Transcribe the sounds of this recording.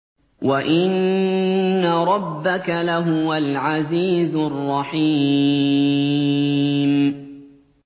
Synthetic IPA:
waʔɪnː | aɾˤɑbːakalaɦʊwalʕaziːzʊrˤːɑħiː | m

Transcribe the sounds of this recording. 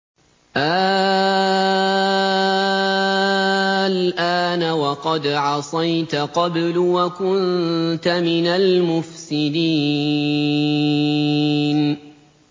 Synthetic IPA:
ʔaː | lʔaːnawɑqɑd̪ʕɑsˤɑjt̪aqɑblwakʊnt̪amɪnalmʊfsɪd̪iː | n

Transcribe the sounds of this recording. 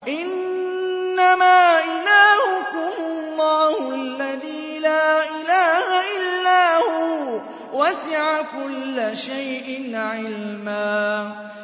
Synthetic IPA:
ʔɪnː | amaːʔɪlaːhʊkʊhʊlˤːɑːhlːaðiːlaːʔɪlaːhaʔɪlːaːhʊ | wasɪʕakʊlːʃajʔɪnʕɪlmaː

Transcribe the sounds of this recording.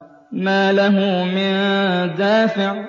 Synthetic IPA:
maːlaɦʊmɪnd̪aːfɪʕ

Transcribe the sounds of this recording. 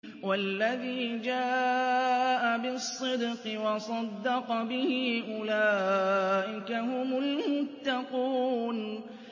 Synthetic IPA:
walːaðiːd͡ʒaː | ʔabɪsˤːɨd̪qɨwɑsˤɑd̪ːɑqɑbɪhɪʔʊlaːʔɪkaɦʊmʊlmʊt̪ːɑquːn

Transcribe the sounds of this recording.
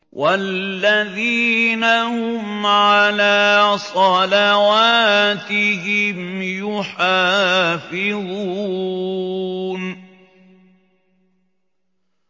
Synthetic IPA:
wʔallːaðiːnahʊmʕalaːsˤɑlawaːt̪ɪɦɪmjʊħaːfɪðˤuuː | n

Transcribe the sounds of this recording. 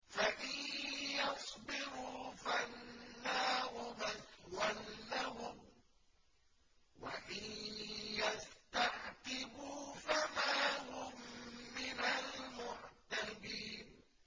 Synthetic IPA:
faʔɪnjɑsˤbɪɾuːfanːaːhʊmaswanːaɦʊm | wa̰ʔɪnjast̪aħt̪ɪbuːfamaːhʊmːɪnalmʊʕt̪abiːn

